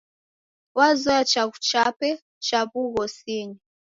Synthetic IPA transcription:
wazɔat͡ʃaɣut͡ʃapɛ | t͡ʃaβuɣɔsiɲi

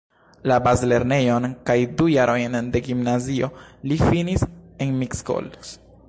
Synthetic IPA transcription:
labazle̞ɾne̞jo̞nkajdujaɾʔo̞jnde̞ɡimnazio̞lifinisenmiksko̞̰ls

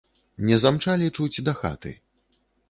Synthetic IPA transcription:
nʲɛzamt͡ʂalʲit͡ʂut͡sʲd̪ɐxa̰t̪ɨ̰

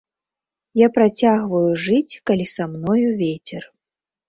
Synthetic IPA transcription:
japɾat͡sʲaɣvɐjuʐɨt͡sʲkalʲisamnɔjuvʲet͡sʲɛr

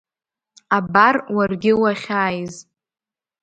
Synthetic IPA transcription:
abarwarɡʲɪwaχʲaːjz

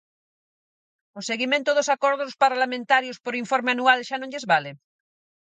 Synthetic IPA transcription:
oseɣimẽnt̪oðosakoɾðospaɾlamẽnt̪aɾjospoɾiɱfoɾmeanualʃanõɲʎezβale

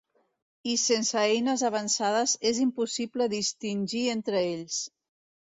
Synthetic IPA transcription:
isensəejnəzaβ̞ansað̞əzezimpusipləðist̪inʲʒient̪ɾəeʎs

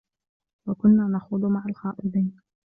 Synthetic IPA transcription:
wakʊnːaːnɑxʊd̪ˤmaʕalxɑːʔɪd̪ˤiːn

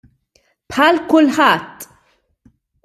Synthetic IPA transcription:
pħɐːlkʊlħɐt̪ː

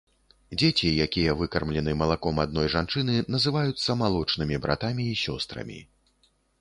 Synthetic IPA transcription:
d͡zʲet͡sʲijakʲijɐvɨkɐrmlʲɛnɨmɐlˠakɔmad̪̚nɔjʐant͡ʂɨn̪ɨnɐzɨvajut̪sːɐmalˠɔt͡ʂnɨmʲibɾa̰t̪amʲiːsʲɔst̪ɾɐ̰mʲḭ

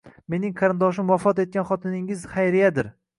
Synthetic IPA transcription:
me̞nɪŋqʰɑɾɪnd̪ɒʃɪmwafɒt̪e̞t̪̚kʲanχɒt̪ʰɪnɪŋɪzχajɾɪjad̪ɪɾ

